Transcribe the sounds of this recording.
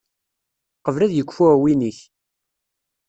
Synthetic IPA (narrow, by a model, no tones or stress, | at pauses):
qəvlæðjəkʷːfuæwiniç